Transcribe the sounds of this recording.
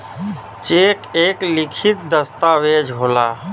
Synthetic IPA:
t͡ʃekeklikʰit̪̚d̪əst̪awed͡ʒʱɦola

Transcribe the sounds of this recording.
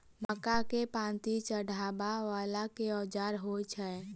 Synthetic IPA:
məkakepãːnt̪it͡ʃəɽʱaːbaʋaːlakeɔːd͡ʒaːɾɦot͡ʃʰɛ

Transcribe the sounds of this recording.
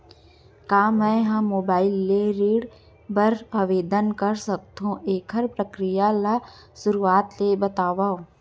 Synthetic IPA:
kaːmɛ̃ːɦɐ̃moːbaːɪlːeɾiːɽ | bəɾəʋeːd̪ənkəɾsək̚t̪ɦũʔeːkʰəɾpɾəkɾɪjala | sʊɾuaːt̪lebət̪aːʋaːõ

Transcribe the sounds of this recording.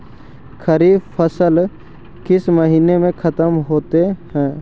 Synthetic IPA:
kʰɐɾiːpʰəsəl | kɪsmɐɦiːnemẽkʰɐt̪əmɦoːt̪ehɛ̃ː

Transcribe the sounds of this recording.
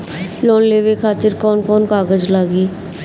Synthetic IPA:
loːnleːʋekʰaːt̪ɪɾkɔːnkɔːnkaːɡəd͡ʒlaːɡiː

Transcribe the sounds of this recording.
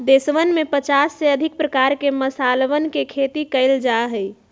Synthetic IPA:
d̪esʋənmepət͡ʃasːeəd̪ʱɪk̚pɾəkaɾkeməsalʋənkekʰet̪ikəɪld͡ʒaɦəj

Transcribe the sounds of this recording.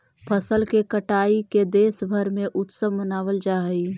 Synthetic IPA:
pʰəsəlkekəʈaːiked̪eːsbʱəɾmẽʔʊt̪səmmənaːwəld͡ʒaːɦəi

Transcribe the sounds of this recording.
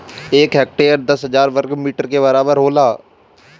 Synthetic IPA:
eːkɦɛːk̚ʈeːəɾd̪əsɦəd͡ʒaːɾʋəɾkmiːʈəɾkeːβəɾaːbəɾɦoːlaː

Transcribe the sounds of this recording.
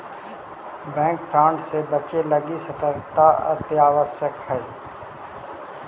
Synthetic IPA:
bɛ̃ːŋkpʰɾãːɳʈsebət͡ʃeləɡisɐt̪əɾkt̪aə̰t̪jaːʋəsjəkɦɛː

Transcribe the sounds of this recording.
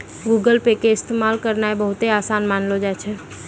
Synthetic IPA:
ɡuɡəlpekeɪst̪emalkəɾnaebəɦut̪easanmanlod͡ʒat͡ʃʰɛ

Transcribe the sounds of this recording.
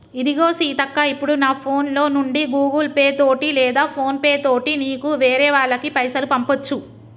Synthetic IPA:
id̪iɡo̞ːsiːt̪ɐkːaipːuɽunaːpʰo̞ːnlo̞ːnuɳɖiɡuːɡɐlpeːt̪oːʈilɛːd̪aːpʰo̞ːnpeːt̪o̞ːʈiniːkuʋeːɾɛːʋaːɭːɐkipɐjsɐlupɐmpot͡ʃːu

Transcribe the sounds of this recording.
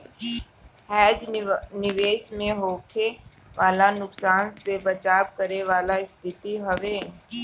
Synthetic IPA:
hɛːd͡ʒnɪʋeːʃmẽɦoːkʰe | ʋʔaːlanʊksaːnsebɐt͡ʃaːb̚kɐɾeʋaːlaɪst̪ʰɪt̪iɦɐʋeː

